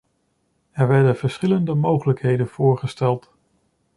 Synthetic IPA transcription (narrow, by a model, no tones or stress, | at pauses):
ɛɹʋɛɹdənv̥əɹsχɪləndəmowχələkɦejdənv̥ʊːɹχəstɛlˠt